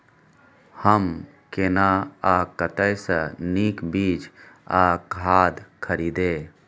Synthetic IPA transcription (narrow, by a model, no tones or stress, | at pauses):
həm | keːnaakət̪əjsəniːkbiːd͡ʒaːkɦaːd̪kʰəɾiːd̪eː